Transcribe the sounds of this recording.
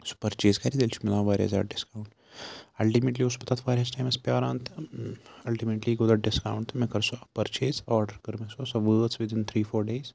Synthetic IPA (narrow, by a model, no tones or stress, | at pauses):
su̥pɐɾt͡ʃeːzkɐɾid̪eːlt͡ʃʰu̥milãːʋaːɾʲijɐ̰za̰ːɖɪskaːwɳʈ | ɐlʈimeːʈliospɐt̪aːt̪ʰʋaːɾʲijasʈajmɐspʲjaːɾãːnt̪ɨɐlʈimeːʈliɡod̪ɐɖɪskaːwɳʈt̪ʰmẽkɐɾsuapɐɾt͡ʃeːzaːɾɖəɾkɐɾmesosɐʋəːt̪sʋɪd̪ɪnt̪ʰɾiːfoːɾɖeːz